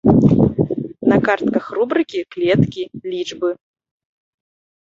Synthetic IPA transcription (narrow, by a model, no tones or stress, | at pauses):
nɐkart̪kɐxrubɾɨkʲiklʲɛt̪kʲilʲit͡ʂbɨ